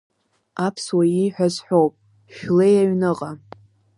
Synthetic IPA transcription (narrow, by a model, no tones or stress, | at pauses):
apʰswajiħʷᶣazħʷᶣowpʼ | ʃᶣlejaɥnɨqʼa